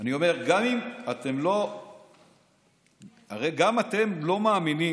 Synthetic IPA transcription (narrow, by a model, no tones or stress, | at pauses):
anio̞me̞ʁɡamimat̪e̞mlo̞ | aʁejɡamat̪e̞mlo̞maːmini